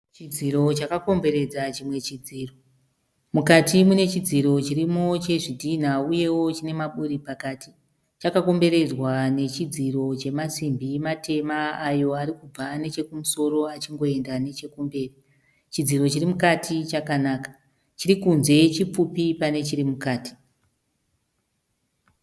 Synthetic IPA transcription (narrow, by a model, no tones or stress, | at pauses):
t͡ʃid͡ziɾo̞t͡ʃakako̞mbe̞ɾe̞d͡zat͡ʃimwe̞t͡ʃid͡ziːro | mukatimune̞t͡ʃid͡ziɾo̞t͡ʃirimo̞t͡ʃe̞ʐidʱin̤auje̞wo̞t͡ʃine̞maɓuɾipakaːtʰi | t͡ʃakako̞mbe̞ɾe̞d͡zwane̞t͡ʃid͡ziro̞t͡ʃe̞masimbimatʰe̞maːjo̞aɾikub͡vane̞t͡ʃe̞kumuso̞ɾo̞at͡ʃiŋɡo̞e̞ndane̞t͡ʃe̞kumbe̞ːri | t͡ʃid͡ziro̞t͡ʃirimukatʰit͡ʃakanaːkḁ | t͡ʃiɾikunze̞t͡ʃip͡fupipane̞t͡ʃirimukaːti̥